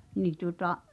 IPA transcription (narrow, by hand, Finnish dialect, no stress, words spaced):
niː tuŏtɑʔ